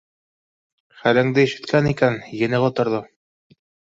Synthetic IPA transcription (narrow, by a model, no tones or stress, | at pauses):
χælæ̆ŋd̪ɘiʃɘ̆t̪kænikænjɘ̆nɘʁɑt̪ŏɾðɤ